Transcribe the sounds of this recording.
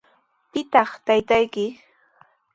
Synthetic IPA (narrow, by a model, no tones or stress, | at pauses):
pɪt̪ɑχt̪ajt̪ajkɪ